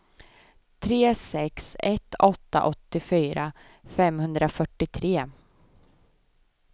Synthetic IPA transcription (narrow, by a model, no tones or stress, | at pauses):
t̪ʰɾeːsɛksɛt̪ʰːɔt̪ːa̰ʔɔt̪ːɪfyːɾʔa | fɛmhɵnd̪ɾafœʈːɪt̪ʰɾeː